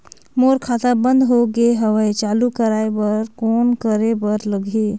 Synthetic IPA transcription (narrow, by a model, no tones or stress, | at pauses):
moːɾkʰat̪abə̃nd̪ɦoɡeɦəʋəjt͡ʃaːlukəɾaːebəɾkoːnkəɾebəɾləɡʱi